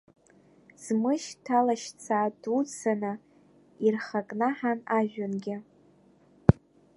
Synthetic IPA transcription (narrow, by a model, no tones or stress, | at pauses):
z̥mɨʃtʰalaʃt͡sʰaːdut͡sʰanɨ | irχakʼnaħanaʒᶣanɡʲɪ